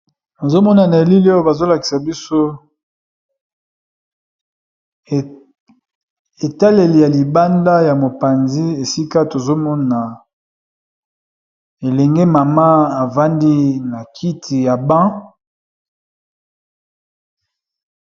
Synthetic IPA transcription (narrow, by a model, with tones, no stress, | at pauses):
na˨zo˦mɔ˦na˨na˨e˨li˦li˦o˦ba˨zo˦la˨ki̥˨sa˨bi˦so˦˨ | e˨ta˦le˨li˨ja˨li˨ba˦nda˦ja˨mo˨pa˨nzi˦e˨si˦ka˦to˨zo˦mɔ˦na˨ | e˨lɛ˨ŋɡe˦ma˨ma˦a˨va˦ndi˦na˨kʰi˦tʰi˨ja˨bã˦